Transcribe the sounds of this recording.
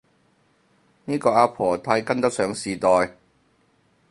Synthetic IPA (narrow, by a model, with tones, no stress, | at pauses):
niː˥kɔː˧ʔaː˧pʰɔː˨˩t̪ʰaː˧jkɐ˥nt̪ɐ˥k̚sœː˨˥ŋsiː˨˩t̪ɔː˨j